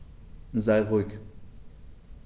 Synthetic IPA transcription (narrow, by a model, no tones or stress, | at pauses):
zaɪʁuɪk